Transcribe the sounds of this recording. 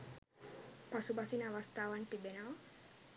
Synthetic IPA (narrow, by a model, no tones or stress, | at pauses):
pasubasinaʋast̪aːwant̪ibenaw